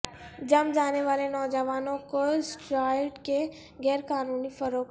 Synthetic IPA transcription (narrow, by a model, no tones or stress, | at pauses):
d͡ʒɐmd͡ʒaːneʋaːlenɔːd͡ʒəʋaːnõkosʈɾaːɪʈke | ɡɛːɾkaːnuːnifəɾoːk